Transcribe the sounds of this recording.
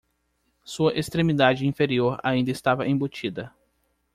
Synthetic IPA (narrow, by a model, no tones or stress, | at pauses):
suɐʔest̪ɾẽmid̪ad͡ʒɪĩfeɾioɾa̰ĩnd̪ɐɪst̪avɐʔẽbot͡ʃid̪ɐ